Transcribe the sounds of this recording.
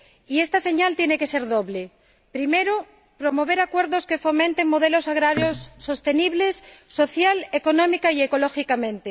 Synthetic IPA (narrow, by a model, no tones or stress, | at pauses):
iest̪ase̞ɲalt̪jeneke̞se̞ɾðoβle | pɾimeɾo | pɾo̞mo̞β̞e̞ɾakwe̞ɾðoske̞fo̞mẽnt̪eŋmo̞ðe̞lo̞saɣ̞ɾaɾjosːo̞st̪eniβle̞sːo̞θjaleko̞nõmikaieko̞loxikamẽnt̪e